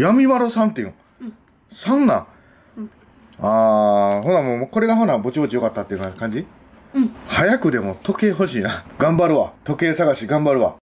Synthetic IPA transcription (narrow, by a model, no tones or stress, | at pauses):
jamʲiβaɾosãnt̪ːejɯ̰̃ | sãnːa̰ | ahoɾamoːko̞ɾe̞ɡaɦoɾabo̞t͡ɕibot͡ɕijo̞kat̪ːat̪ːejɯ̟nakãɲ̟d͡ʑi | hajakɯ̟d̪e̞mo̞t̪o̞ke̞ːɦo̞ɕiːnaɡãmbaɾɯ̟βat̪o̞ke̞ːsaɡaɕiɡãmbaɾɯ̟βa̰